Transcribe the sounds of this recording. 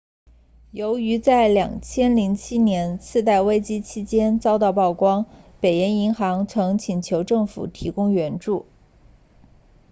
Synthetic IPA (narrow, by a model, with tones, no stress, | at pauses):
jo˧˥ʊy˧˥t͡sa˥˩ɪljɑ̰˨˩ŋt͡ɕʰjɛ˥nli˧˥ŋt͡ɕʰi˥njɛ˧˥nt͡sʰɹ̩˥˧t̪a˥˩ɪwe˥ɪt͡ɕi˥t͡ɕʰi˥t͡ɕjɛ˥nt͡sɑ˥ʊt̪ɑ˥˧ʊpɑ˥˩ʊkwɑ˥ŋpe˨˩ɪjɛ˧˥ni˧˥ŋxɑ˧˥ŋt͡sʰɤ˧˥ŋt͡ɕʰi˨˩nt͡ɕʰjo˧˥ʊʈ͡ʂɤ˥˩ŋfṵ˨˩t̪ʰi˧˥kʊ˥ŋɥɛ˧˥nʈ͡ʂu˥˩